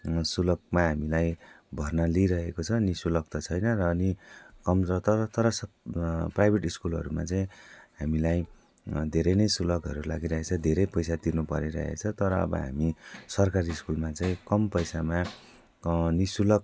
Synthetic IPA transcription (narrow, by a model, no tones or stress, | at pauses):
sulʌk̚maɦamilaj | bʱʌrnʌliɾʌɦekot͡sʰʌnisulʌk̚t̪ʌt͡sʰʌjnʌrʌːnikʌmʌt̪ʌɾt̪ʌɾʌs | prajbʱeʈiskulɦʌ̰ɾuma̰t͡saĩɦamilaj | d̪ʱeɾʌjnʌjsulʌɡɦʌɾula̰ɡiɾʌɦet͡sʰʌd̪ʱeɾʌjpʌjsad̪inupʌɾeɾʌ̰ɦḛt͡sʰʌt̪ʌɾʌ̰ːbʌ̰ɦa̰misʌrkaɾiskulmat͡saĩkʌmpʌjsama | nisulʌk̚